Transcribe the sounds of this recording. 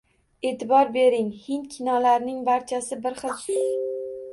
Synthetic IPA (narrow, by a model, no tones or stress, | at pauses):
et̪ʰɪbɒɾbe̞ɾɪŋhɪnt̪kʲʰɪnɒlaɾnɪŋbaɾt͡ʃʰasɪbɪɾχɨlˠsʊ